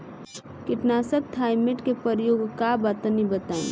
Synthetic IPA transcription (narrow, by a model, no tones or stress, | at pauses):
kɪʈnaːsək̚t̪ʰaːɪmeʈkepəɾjoːɡkabaːt̪anibət̪ã̰ː